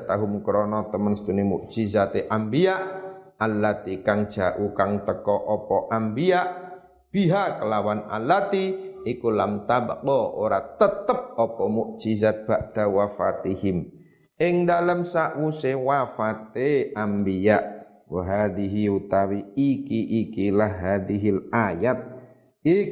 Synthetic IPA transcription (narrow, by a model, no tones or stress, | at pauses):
t̪aɦumkəɾɔnɔt̪əmənst̪unimṵʔd͡ʒizat̪eʔambiaʔalːat̪ikaŋd͡ʒa̰ʔukaŋt̪əkɔʔɔpɔʔambiaʔ | b̥iɦakəlawana̰lat̪iikulamt̪aba̰ʔ̚bɔo̰ɾat̪ət̪̚əp̚ɔpɔmuʔd͡ʒizat̪̚b̥aʔd̪awafat̪ihim | ɪŋdaləmsaʔwusewafat̪̚eambiaʔ | wəɦadiɦiut̪awiikiʔikilahɦadiɦilajat̪̚ | i